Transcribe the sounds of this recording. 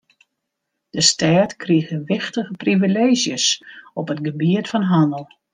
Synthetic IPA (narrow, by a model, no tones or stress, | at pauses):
d̥əstaːtkriəxəʋɪxtəɣəprivileːzjəsɔpətɡəbiətfɔnɦɔnəlˠ